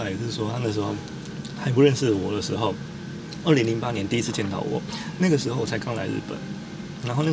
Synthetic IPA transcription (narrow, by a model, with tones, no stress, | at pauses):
a˥˩ɪ˨˩o˥ʂ̩˥˩wɔ˥t̪ʰa˥nə˨˩ʂ̬̩˧˥xo˥˧ʊ | xa˧ɪpu˧ɻə˥˧nʂɻ̩˥˩wɔ˨˩d̪ə˦ʂɻ̩˧˥xo˥˩ʊ | ə˥˩li˧˥ŋli˧˥ŋpa˦njɛ˧˦nt̪i˥˧i˥t͡s̩ʰ˥˧t͡ɕjɛ˥˩nt̪ʰɑ̰˨˩ʊwɔ̰˨˩˦na˥˩ɡə˩ʂ̬ɻ̩˧˥xo˥˩ʊwɔ˨˩t͡sʰa˥ɪkɑ˥ŋla̰˧ɪɻ̩̰˥˩pə̰˨˩˦n | na˧˦nxo˥˧na˥˩